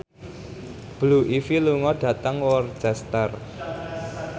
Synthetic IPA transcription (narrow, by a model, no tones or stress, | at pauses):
b̥luʔifiluŋɔɖ̥ä̤t̪əŋwɔrt͡ʃɛst̪ər